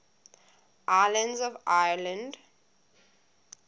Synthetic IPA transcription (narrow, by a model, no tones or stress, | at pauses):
ʔajlə̃ndzɔvajlə̃nd